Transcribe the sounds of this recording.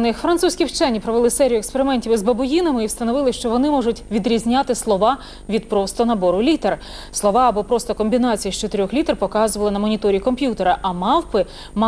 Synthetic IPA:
nɪxfɾɐnt̪susʲkʲiwt͡ʃɛnʲːipɾɔʋelˠɪsɛɾʲijʊekspeɾɪmɛnʲtʲiʋɪzbɐbʊjinɐmɪiwst̪ɐnɔʋɪlˠɪʃt͡ʃɔʋɔnɪmɔʐʊtʲʋʲid̪ɾʲizʲnʲat̪ɪslˠɔʋɑ | ʋʲid̪̚pɾɔst̪ɔnɐbɔɾʊlʲit̪er | slˠɔʋɑɐbɔpɾɔst̪ɔkɔmʲbʲinɑt͡sʲijiʃt͡ʃɔt̪eɾʲɔxlʲit̪rpɔkɑzʊʋɐlˠɪnɐmɔnʲit̪ɔɾʲikɔmpʲjut̪eɾɐʔɐmɑwpɪ | m

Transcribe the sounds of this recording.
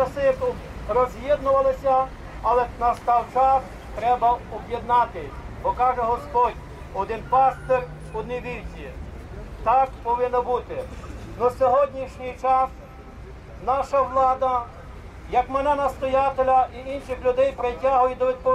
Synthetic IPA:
ɐsɪkʊ | rɔzʲjɛd̪nʊʋɐlˠɪsʲɐ | ɐlˠɛnɐst̪ɑwt͡ʃɑs | t̪ɾɛbɐɔbjed̪nɑt̪ɪbɔkɑʒɛɦɔspɔdʲ | ɔd̪ɪnpɑst̪er | ɔd̪niʋʲiɾʲtʲi | t̪ɑkpɔʋɪnːɔbut̪ɪnɔsʲɔɦɔdʲnʲiʃnʲijt͡ʃɑs | nɑʃɐʋlˠɑd̪ɐ | jɐkmenɛnɐst̪ɔjɑt̪elʲɐiinʃɪxlʲʊd̪ɛjpɾetʲaɦʊjɪd̪ɔʋʲid̪̚pɔ

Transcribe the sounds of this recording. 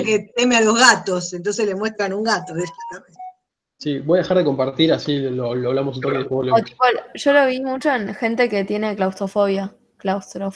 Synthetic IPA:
ket̪emealo̞ɦɣat̪osent̪ons̬esle̞mwest̪ɾanuŋɡat̪oðet̪atames | sibojaðexaɾðeko̞mpaɾt̪iɾasiloloaβlamos̬unt̪okeðefuleot̪ipoʒo̞lo̞βimut͡ʃo̞enxe̞nt̪e̞ke̞t̪jene̞klawst̪ɾofoβja | klawst̪ɾof

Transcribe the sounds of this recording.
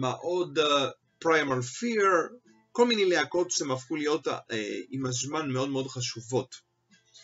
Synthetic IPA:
meʔo̞d | pʁajmalfiʁ | ko̞lminejleako̞tʃemafχulijo̞timazmanmeo̞dmeo̞dχaʃuvo̞t

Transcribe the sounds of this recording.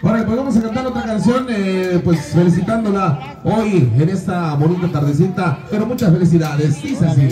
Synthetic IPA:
oɾakpwozβamos̬eŋkant̪aɾo̞t̪ɾakansjo̞nepwesfe̞lis̬it̪and̪o̞la | o̞jene̞st̪amonit̪at̪aɾðes̬int̪ape̞ɾomut͡ʃasfe̞lis̬iðaðesd̪isas̬i

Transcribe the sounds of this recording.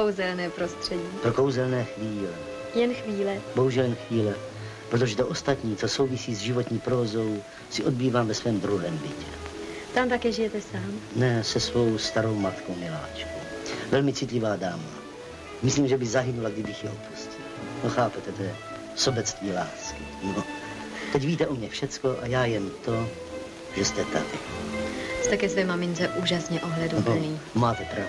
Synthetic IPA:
owzɛlnɛːpɾost̪r̥ɛɟiːpɾoko̞wzɛlnɛːxviːlɛ | jɛnxviːlɛboɦuʒɛljɛnxviːlɛ | pɾot̪oʒɛt̪oʔost̪at̪ɲiːt͡sosowvisiːzʒɪvot̪ɲiːpɾovozo̞w | sɪʔod̪̚biːvaːmvɛsvɛːmd̪ɾuɦɛːmbɪcɛ | t̪amt̪akɛːʒɪjɛt̪ɛsaːmnɛsɛsvo̞wst̪aɾo̞wmat̪kowmɪla̰ːt͡ʃkow | vɛlmɪt͡sɪt̪lɪvaːdaːma | mɪsliːmʒɛbɪzaɦɪnulaɡdɪbɪxjɛopuscɪlnoxaːpɛt̪ɛt̪ɛː | sobɛt͡st̪viːlaːskɪno | t̪ɛcviːt̪ɛʔomɲɛfʃɛt͡skoʔajaːjɛmt̪o̞ | ʒɛst̪ɛt̪a̰dɪ | st̪ɛkɛsvɛːmamɪnt͡sɛʔuːʒasɲɛʔoɦlɛdoniːmaːt̪ɛpɾa

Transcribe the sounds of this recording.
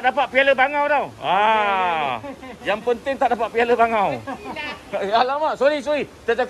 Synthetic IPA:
ʔdapat̪̚pialəbaŋawdawa | jaŋpənt̪ɪŋt̪aʔdapat̪̚pialəbaŋaw | alamaʔsoɾisoɾit̪əd͡ʒak

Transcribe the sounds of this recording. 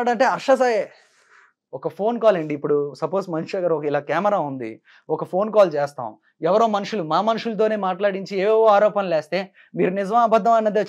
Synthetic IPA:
aːɽɐɳʈeːɐɾʂɐsaːje | ɔkɐpʰo̞ːnkaːleːɳɖiːpːuɽusɐpoːsmɐnuʂeɡaːɾɔkɐilaːkaːmɐɾaːund̪ḭ | ɔkɐpʰo̞ːnkaːlt͡ʃeːst̪a̰ːm | ɛʋɐɾo̞ːmɐnuʂulumaːmɐnuʂulɐt̪̬o̞ːne̞ːmaːʈlaːɽiɲt͡ʃieːoːaːɾɔːpɐnɐleːst̪e̞ː | miːɾunid͡ʒɐmaːbɐd̪ʱːɐmɐnːɐd̪e

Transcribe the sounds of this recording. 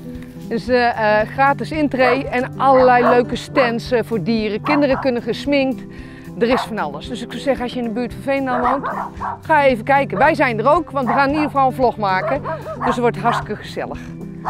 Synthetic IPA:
døsəχraːtɪsɪntrejɛnʔɑləlɛjløɥkəstɛnsvoːɹdiːərəkɪndərəkɵnəχəsmɪŋkt | dərɪsfɑnɑlˠəsdøsɪksɑwsɛχənɑsjəɪndəbyːtfɑ̃nfejndanʋowntχaːjəejvəkɛjkənʋɛjzɛjndərowkʋɑntʋəxaːnnidərəfɑlˠənvlɔχmaːkəd̥øsəʋɔɹtəɦastɪ̥kəχəzɛ̰ləx

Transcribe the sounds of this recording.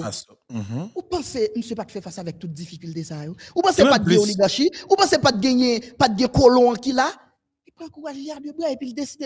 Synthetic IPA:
upãsem̩sepat̪fɛfasavɛk̚t̪ut̪̚d͡zifikylt̪esajoupãsepat̪̚ɡɛ̃ũliɡãʃiupãsepat̪̚ɡɛ̃jɛ̃pat̪̚ɡɛ̃kolɔ̃ãkila | lipʁãkuɣaʒliadebajepild̪esid̪e

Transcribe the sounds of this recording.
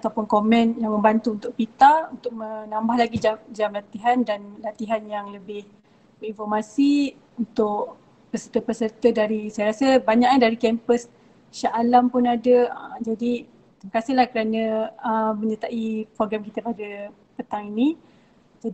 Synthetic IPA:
at̪awpʊnkomɛ̃njaŋmə̃mbant̪uːnt̪ʊk̚pit̪aunt̪ʊk̚mənãmbahlaɡid͡ʒamd͡ʒamlat̪iɦandanlat̪iɦanjaŋləbɪh | bəinfɔrmasi | unt̪ʊʔ | pəsərt̪əpəsərt̪ədaɾisajaɾasəbaɲaʔandaɾikɛmpəs | ʃaʔalampʊnadəə̰d͡ʒadi | t̪iməkasɪhlahkəɾanə̃əmə̃ɲət̪aʔipɾoɡɾamkit̪əpadə | pət̪aŋinĩ | d͡ʒadi

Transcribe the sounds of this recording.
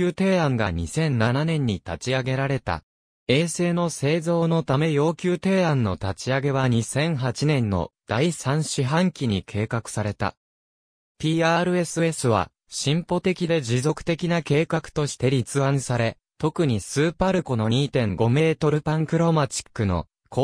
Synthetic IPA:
ɨːt̪e̞ːãŋɡa̰ɲ̟isẽ̞nnananẽ̞ɲ̟ːit̪at͡ɕiaɡe̞ɾaɾe̞t̪a̰ | e̞ːse̞ːno̞se̞ːzo̞ːno̞t̪ame̞jo̞ːkʲɨːt̪e̞ːãnːo̞t̪at͡ɕiaɡe̞βaɲ̟isẽ̞ɰ̃ɦat͡ɕinẽ̞nːo̞̰d̪̥aisãɰ̃ɕiɦãŋkʲiɲ̟ikʰe̞ːkakɯ̟̥saɾe̞t̪a̰ | pʲiːaːɾɯ̟e̞sɨe̞sɨβa̰ | ɕĩmpo̞t̪e̞kʲid̪e̞d͡ʑizo̞kɯ̟̥t̪e̞kʲinake̞ːkakɯ̟̥t̪o̞ɕi̥t̪e̞ɾʲit͡sɨãsaɾe̞ | t̪o̞kɯ̟ɲ̟isɨːpaɾɯ̟ko̞no̞ɲ̟iːt̪ẽ̞ŋɡo̞me̞ːt̪o̞ɾɯ̟pãŋkɯ̟ɾo̞mat͡ɕi̥kːɯ̟no̞̰ | ko

